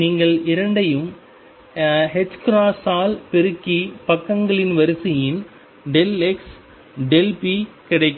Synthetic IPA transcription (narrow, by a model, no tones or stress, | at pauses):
niːŋɡɐɭɪɾɐɳɖɐjɯm | ɦɛt͡ʃːkɾaːsaːlpɛɾɯkːipɐkːɐŋɡɐɭɪnʋɐɾɯsɪjɪn | ɖɛlɛks | ɖɛlpi | kɪɽɐɪkː